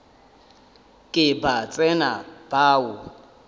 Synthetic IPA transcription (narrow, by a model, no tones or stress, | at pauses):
kʼɪbat͡sʼɛnab̥aːʊ